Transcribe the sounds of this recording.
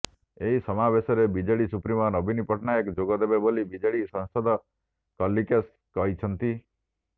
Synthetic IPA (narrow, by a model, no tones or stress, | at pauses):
eɦisɔmabesɔɾebid͡ʒeɭisupɾimɔnɔbinipɔʈʰnaekd͡ʒoɡɔd̪ebebolibid͡ʒeɭisɔ̃ŋsɔd̪ʱɔ | kɔlːikes | kɔɦit͡ʃʰɔnt̪i